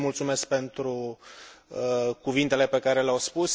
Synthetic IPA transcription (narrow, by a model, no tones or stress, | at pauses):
mult̪sume̞sk̚pe̞nt̪ɾu | kuvint̪e̞le̞pe̞kaɾe̞leawspus